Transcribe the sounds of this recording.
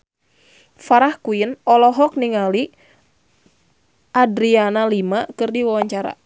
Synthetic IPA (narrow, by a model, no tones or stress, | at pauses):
faɾahkuinɔlɔɦɔk̚niŋali | ʔadɾianalimakɨrdiwawaɲt͡ʃaɾa̰